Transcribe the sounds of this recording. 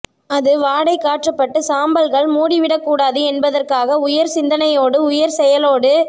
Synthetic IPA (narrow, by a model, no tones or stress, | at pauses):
ɐðɯʋaːɽɐɪkːaːʈrɐpːɐʈːɯsaːmbɐlɣɐɭmuːɽiʋɪɽɐkːuːɽaːðɯɛnbɐðɐrkaːɣɐʊjɐɾsɪnd̪ɐnɐjoːɽɯʊjɐɾsɛjɐloːɽɯ